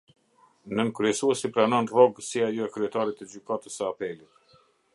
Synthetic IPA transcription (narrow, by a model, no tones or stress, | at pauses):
nənkɾyɛsuɛsipɾanɔnrɔɡəsiajɔɛkɾyɛt̪aɾit̪ːəd͡ʑykat̪əsəapɛlit̪